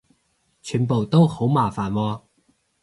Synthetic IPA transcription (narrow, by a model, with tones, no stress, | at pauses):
t͡ʃʰyː˨˩npo˨wt̪o˥who˨˥wmaː˨˩faː˨nwɔː˧